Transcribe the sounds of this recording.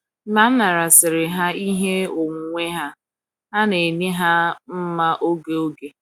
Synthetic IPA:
ma˨˦ma˨ɾa˨sɪ˨ɾɪ˨ɦa˦i˦ɦe˦o˨ŋ̩˨ŋʷe˦ɦa˦ | ɦa˦ne˨ni˦ɦa˦m̩˦ma˦ʔo˦ɡe˦o˦ɡe˨

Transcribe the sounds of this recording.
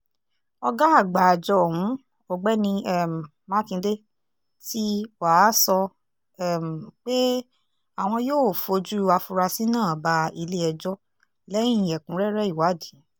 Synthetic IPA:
ɔ˧ɡa˦a˦˨ɡ͡ba˨a˨d͡ʒɔ˧˦˨hũ˨˦ | o˨ɡ͡bɛ˦nĩ˧ɛ˦˨m˨ | ma˦kĩ˧de˦ | ti˦wa˨˦sɔ˧ | ɛ˦˨m̩˨k͡pe˦ | a˦˨w̃ɔ̃˧joː˦˨fo˧d͡ʒu˦i˦˧wa˧fu˧ɾa˧si˦nãː˦˨ba˧i˧le˦ɛ˧d͡ʒɔ˦ | lɛ̃˦ĩ˦˨jɛ˨kũ˨˦ɾɛ˦ɾɛ˦i˦˨wa˨˦˨di˨˦

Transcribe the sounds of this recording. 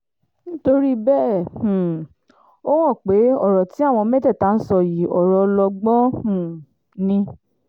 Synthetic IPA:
ñ̩˦to˧ɾi˦bɛ̃˦˨ | o˦w̃ɔ̃˦˨k͡pe˨˦ɔ˦˨ɾɔ˨ti˨˦a˦˨w̃ɔ̃˧mɛ˦tɛ˦˨ta˨˦n̩˦sɔ˧ji˨ɔ˨ɾɔ˧lɔ˧ɡ͡bɔ̃˦ũ˦˨ | nĩ˧

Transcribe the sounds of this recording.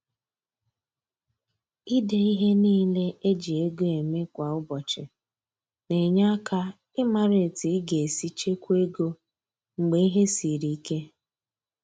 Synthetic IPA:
i˦de˨i˦ɦe˦niː˦le˦e˦d͡ʒi˨e˦ɡo˦e˨me˦kʷa˨ʊ˦bɔ˨t͡ʃɪ˨ | ne˨ɲa˦ka˦ | ɪ˦ma˨ɾe˨ti˨˦ɡe˨si˦t͡ʃe˦kʷe˦ɡo˦ | ŋ͡m̩˨ɡ͡be˨i˦ɦe˦si˨ɾi˨i˦ke˦

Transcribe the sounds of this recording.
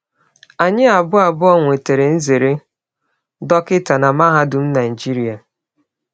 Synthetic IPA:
a˨ɲɪ˦a˨bʊ˦a˨bʊ˦ɔ˦ŋʷe˨te˨ɾe˨n̩˦ze˨ɾe˦ | dɔ˦kɪ˦ta˨na˨ma˦ɦa˦dʊ˨m̩˦na˨i˨d͡ʒi˦ɾi˨a˨

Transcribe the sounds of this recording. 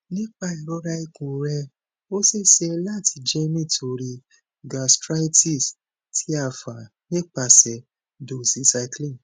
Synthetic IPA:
nĩ˦k͡pa˧i˨ɾɔ˨˧˦ɾa˧i˧kũ˨ɾɛ˧ | o˦se˦se˧la˦˨tʰi˧d͡ʒe˦mĩ˦˨tʰo˧ɾi˧ | ɡa˨stɾa˦jti˦˨s | tʰi˦a˧˨fa˨ | nĩ˦k͡pa˧sɛ˨ | do˨sĩ˨˧sa˧˦klĩ˦˨n

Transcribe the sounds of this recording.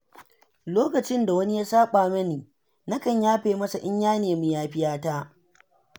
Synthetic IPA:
loː˦kɐ˨t͡ʃɪ˦nda˨wɐ˦ni˦jaː˦saː˦ɓaː˨mɐ˦niː˨ | na˦kɐ˨ɲjaː˦ɸeː˨mɐ˦sa˨ʔɪ˦ɲjaː˦neː˨mi˦jaː˦ɸɪ˦jaː˦taː˦

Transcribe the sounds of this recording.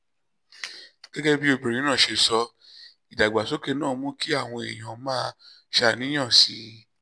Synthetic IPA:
ɡ̥ɛ˦ɡɛ˦bi˦o˧bi˨ɾĩ˨˦nã˦˨ʃe˧sɔ˧ | i˨da˨ɡ͡ba˨so˨˦ke˦˧nãː˦˨˦mũ˦ki˦a˦˨w̃ɔ̃˧e˨j̃ã˨˦mãː˦ | ʃa˧nĩ˨˦j̃ã˦˨si˨˦

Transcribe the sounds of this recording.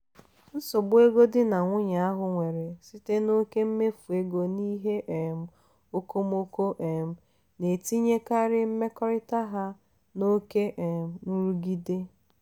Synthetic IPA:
n̩˦sʊ˨bʊ˦e˦ɡo˦dɪ˦na˨ŋʷʊ˦ɲa˨a˦ɦʊ˨ŋʷe˨ɾe˨si˦te˦no˦ke˦m̩˦me˦fu˨e˦ɡo˨ni˦ɦe˦ʔm̩˨ | o˦ko˦m˦o˦ko˦ʔe˨m̩˨ | ne˨ti˦ɲe˦ka˦ɾɪ˦m̩˦me˦kɔ˦ɾɪ˦ta˦ɦa˦ | no˦ke˦ʔe˨m̩˨nu˦ɾu˦ɡi˦de˦

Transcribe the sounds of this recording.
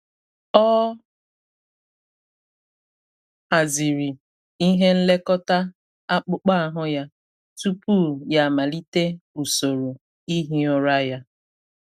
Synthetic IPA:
ɔ˦ | a˨zi˨ɾi˨ | i˦ɦe˦n̩˦le˦kɔ˦ta˦ | a˦k͡pʊ˦k͡pa˦a˨ɦʊ˦ja˦ | tu˦pu˦˨ja˨ma˨li˦te˦u˨so˨ɾo˨ | i˦ɦi˦ɔ˦ɾa˦ja˦

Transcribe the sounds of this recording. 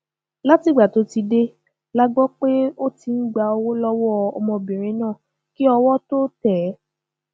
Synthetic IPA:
la˦ti˨ɡ͡ba˨to˨˦ti˧de˦ | la˦ɡ͡bɔ˦k͡pe˦o˦ti˧n̩˦ɡ͡ba˧o˧wo˦lɔ˦wɔ˦ɔ˧mɔ̃˧bĩ˨ɾ̃ĩ˨˦nãː˦˨ | ki˦ɔ˧wɔ˦to˦tɛ˨˦

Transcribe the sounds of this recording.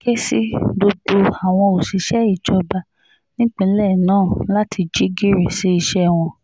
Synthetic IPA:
ke˦si˦do˧do˧a˨w̃ɔ̃˧o˨si˨˧˦ʃɛ˦i˦˨d͡ʒɔ˨˧ba˧ | nĩ˦k͡pĩ˧˦lɛ˦˨nãː˦˨la˦tʰi˧d͡ʒi˦ɡi˦ɾe˨se˨˦i˧ʃɛ˦˨w̃ɔ̃˧

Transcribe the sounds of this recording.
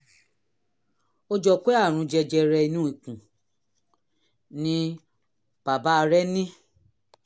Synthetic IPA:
o˦d͡ʒɔ˧k͡pe˦a˦˨ɾ̃ũ˨˧d͡ʒɛ˧d͡ʒɛ˧ɾɛ˧i˧nũ˦i˨kũ˨ | nĩ˦ | b̥a˨ba˨˦˧ɾɛ˦nĩ˦

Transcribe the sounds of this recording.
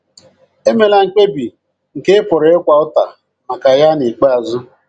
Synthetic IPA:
e˦me˨la˨ŋ̩˨k͡pe˦bi˨ | ŋ̩˨ke˦ɪ˦pʊ˨ɾɪ˨˦ɪ˦kʷa˨ʊ˦ta˨ | ma˨ka˨ja˦ni˨k͡pe˦a˨zʊ˦

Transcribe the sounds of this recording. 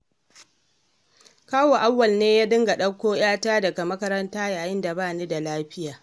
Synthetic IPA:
kaː˦woː˨ʔa˦wːɐ˨lneː˦jaː˦dɪ˦ŋɡa˨ɗɐ˦kʷːoː˦j̰aː˦taː˦dɐ˨ɡa˨mɐ˦kɐ˦ɾɐ˦ntaː˦jaː˨jɪ˦nda˨baː˦˨niː˦da˨laː˦ɸɪ˦jaː˨

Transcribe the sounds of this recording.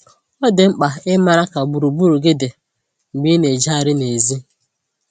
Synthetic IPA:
ɔ˦dɪ˨ŋ͡m̩˦k͡pa˨ɪ˦ma˨ɾa˦ka˨ɡ͡bu˨ɾu˨bu˦ɾu˨ɡɪ˦dɪ˨ | ŋ͡m̩˨ɡ͡bi˦ne˨d͡ʒa˦a˨ɾɪ˦ne˨zi˦

